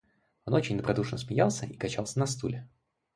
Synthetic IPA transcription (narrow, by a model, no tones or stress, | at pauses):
o̞not͡ɕɪnʲd̪əbɾɐd̪uʂnəs̬mʲɪjalˠsʲəikɐt͡ɕalˠsʲənɐst̪ṵlʲɪ